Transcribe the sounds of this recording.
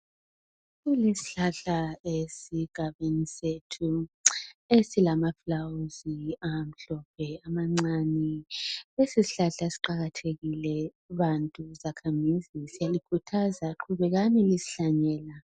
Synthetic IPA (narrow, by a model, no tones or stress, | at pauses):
ɣulesi̥ɬaɬaesiɡ̥ʱaβenisetʰu | esilamaflawuziam̩ɬɔp̚ʰɛamaŋ͡ǀanilesisiɬaɬasi̥ǃaɣatʰeɣilɛ | βantʼuzakʰamizisijalikʰutʰazaǃʰuβɛɣanilisi̥ɬaɲɛːla